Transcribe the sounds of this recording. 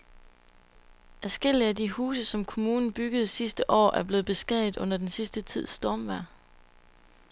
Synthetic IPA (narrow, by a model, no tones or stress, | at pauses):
ʔæsɡ̥el̰iædihuːsəsɒ̽mkʰo̝muːnn̩b̥yɡ̥əð̞̩ˠsisd̥əʔɒ̰ːʔæɐb̥le̝ːð̩ˠb̥e̝sɡ̥ɛð̰ˠið̩ˠɔ̽n̰ɐd̥ensisd̥ət͡sʰið̞̰ˠsd̥ɒːmʋæɐ̰